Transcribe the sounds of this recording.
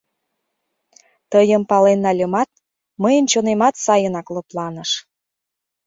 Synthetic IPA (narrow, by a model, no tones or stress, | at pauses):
t̪əjəmpɑlenːɑlʲəmɑt̪̚ | məjə̆nt͡ɕonemɑt̪sɑjənɑklɤ̆plɑnə̆ʃ